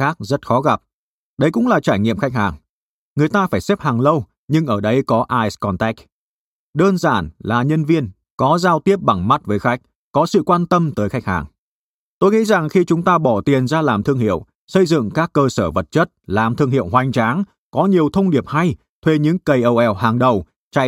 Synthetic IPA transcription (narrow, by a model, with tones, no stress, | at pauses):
xaː˦˥k̚zə˦˥t̚xɔ˨˦ɣa˨˩p̚ | ɗə˨˦jkʊ̰˧˥ŋ͡mlaː˨˩t͡ɕaː˧˩jŋḭ˧˨əmxa˦˥jk̚haː˨˩ŋ | ŋɨ˨˩əjt̪aː˧faː˧˩jsɛ˦˥p̚haː˨˩ŋlə˧w | ɲɨ˧ŋʔəː˧˩ɗə˧jkɔ˨˦ʔaː˧jskɔ˧nt̪ɛ˦˥k̚ | ɗəː˧nzaː˧˩nlaː˨˩ɲə˧nvi˧ən | kɔ˨˦zaː˧wt̪i˦˥əp̚ɓa˧˩ŋma˦˥t̚vəː˨˦jxa˦˥jk̚ | kɔ˨˦sɨ̰˧˨kwaː˧nt̪ə˧mt̪əː˨˦jxa˦˥k̚ha̰ː˨˩ŋ | t̪o˧jŋḭ˧˥za˨˩ŋxi˧t͡ɕʊ˨˦ŋ͡mt̪aː˧ɓɔ˧˩t̪i˨˩ənzaː˧laː˨˩mt̪ʰɨ˧əŋɦḭ˧˨əw | sə˧jzɨ̰˧˨ŋkaː˦˥kːəː˧səː˧˩və˨˩t̚t͡ɕə˦˥t̚laː˨˩mt̪ʰɨ˧əŋɦi˧˨əwɦwa˨˩jŋ̟t͡ɕaː˨˦ŋ | kɔ˨˦ɲi˨˩əwt̪ʰə˧wŋ͡mɗi˨˩əp̚ha˧j | t̪ʰwe˧ɲɨ̰˧˥ŋkə˧˩jʔə˧wʔɛ˧˨˩whaː˨˩ŋɗə˨˩w | t͡ɕa̰ː˧˨